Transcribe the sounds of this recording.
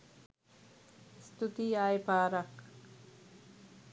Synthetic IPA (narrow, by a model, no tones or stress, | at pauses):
st̪ut̪iaːjpaːɾɐk